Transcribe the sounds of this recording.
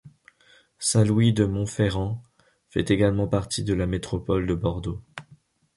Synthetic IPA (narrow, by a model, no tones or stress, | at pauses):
sɛ̃lwid̪əmɔ̃feʁɑ̃ | fɛ̰t̪eɡalmɑ̃paʁt̪id̪əlamet̪χɔpɔld̪əbɔʁd̪o